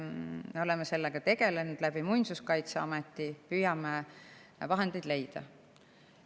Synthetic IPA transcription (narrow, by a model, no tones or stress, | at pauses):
meo̞lɛmese̞lːeɡ̥ɑt̪e̞ɡ̥e̞lenud̪̥læb̥imujnsuskɑjt̪seɑmet̪ːˑipyːjɑme | vɑɦe̞nd̪̥ejd̪le̞jd̪̥ɑ̰